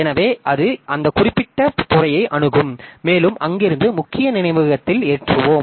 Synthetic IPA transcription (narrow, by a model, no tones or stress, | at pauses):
ɛnɐʋeːʔɐðɯʔɐnd̪ɐkʊrɪpːɪʈːɐpʊrɐjɐɪʔɐɳɯɣɯmːeːlɯmʔɐŋɡɪɾɯnd̪ɯmʊkːɪjɐnɪnɐɪʋɐɣɐt̪ːɪleːʈrɯʋoːm